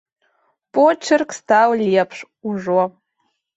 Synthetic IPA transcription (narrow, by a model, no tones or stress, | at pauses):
pʼot͡ʃʰɨrkʰʼstʰawlijapʰʂ | uʐwɔ